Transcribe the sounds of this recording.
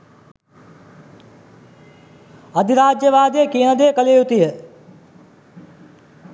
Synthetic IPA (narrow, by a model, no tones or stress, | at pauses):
ɐd̪ʱiɾaːd͡ʒjəʋaːd̪ijəkiənəd̪ejəkəleːjut̪ijə